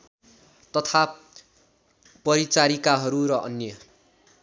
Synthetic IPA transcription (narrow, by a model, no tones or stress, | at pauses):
t̪ʌt̪ʰa | pʌɾit͡saɾikaɦʌɾuɾʌʔʌ̰njʌ